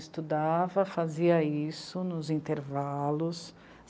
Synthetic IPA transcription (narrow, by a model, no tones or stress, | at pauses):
st̪ud̪avɐfaziɐisʊnʊzĩnt̪eɾvalʊs